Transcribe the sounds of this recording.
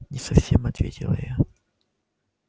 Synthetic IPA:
nʲɪsɐfsʲemɐt̪vʲetʲɪlˠə̰ja

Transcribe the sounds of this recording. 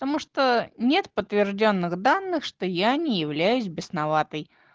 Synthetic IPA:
pət̪ɐmuʂt̪onʲe̞t̪pət̪vʲɪrʐdʲonːɨɣd̪anːɨxʂt̪ojanʲɪjɪvlʲæjʉsʲbʲɪsnɐvat̪əj

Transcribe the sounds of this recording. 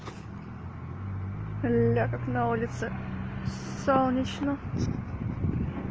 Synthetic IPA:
lʲakaknɐulʲɪt̪sɨ | solˠnʲɪt͡ɕnə

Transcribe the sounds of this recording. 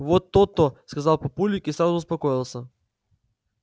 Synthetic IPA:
vɔt̪ɔt̪ɔskazalˠpopulʲikisanɔspɔkɔjilˠsɛ

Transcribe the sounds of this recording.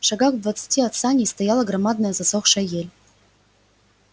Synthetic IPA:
ʂɐɡaxvd̪vat̪sɨ̥tʲiɐt̪sanʲejst̪ɐjalˠəɡɾɐmad̪nəjəzɐsoxʂəjelʲ

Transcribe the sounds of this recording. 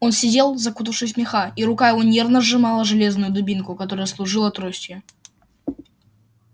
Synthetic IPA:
o̞nsʲɪdʲelˠzɐkut̪̬əfʂɨsʲmʲɪxaiɾʊkajɪvo̞nʲe̞rvnəʐɨmalˠəʐɨlʲe̞znʊjʊd̪ʊbʲinkʊkɐt̪o̞ɾəjəslˠʊʐɨlˠɐt̪ɾosʲtʲjɪ

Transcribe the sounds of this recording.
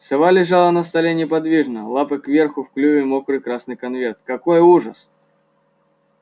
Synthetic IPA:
sɨvalʲɪʐalˠənəst̪ɐlʲenʲɪpɐd̪vʲiʐnəlˠapɨkvʲerxʊfklʲuvʲɪmokɾɨkɾasnɨjkɐnvʲert̪̚kɐkojuʐəs

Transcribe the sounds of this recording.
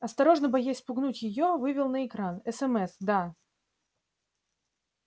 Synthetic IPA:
ɐst̪ɐɾo̞ʐnəbɐjasʲpʊɡnutʲjɪjovɨvʲɪlˠnəɪkɾanɛsɛmɛsd̪a

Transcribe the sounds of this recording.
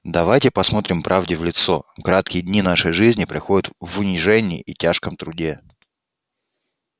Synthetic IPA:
d̪ɐvajtʲɪpɐsmo̞t̪ɾʲɪmpɾʔavdʲɪvlʲɪt̪sokɾat̪kʲɪjədʲnʲinaʂəjʐɨzʲnʲɪpɾʲɪxodʲɪt̪vʊnʲɪʐɛnʲɪj̰ʔitʲaʂkəmt̪ɾʊdʲe

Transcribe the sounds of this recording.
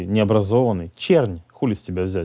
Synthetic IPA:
jnʲɪɐbɾɐzovənːɨjt͡ɕernʲxulʲɪsʲtʲɪbʲavzʲæ

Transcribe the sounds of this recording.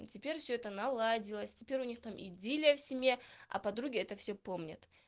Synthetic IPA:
tʲɪpʲeɾʲfsʲɵɛt̪ənɐlˠadʲɪlˠəsʲtʲɪpʲeɾʲʊnʲixt̪amʔḭdʲilʲɪjəfsʲɪmʲe̞ɐ̰pɐd̪ɾuɡʲɪɛt̪əfsʲɵpo̞mnʲə̰t̪

